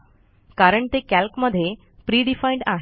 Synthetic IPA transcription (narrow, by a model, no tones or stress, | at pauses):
kaɾəɳt̪ekælkməd̪ʱːje | pɾiːɖifaiɳɖaɦ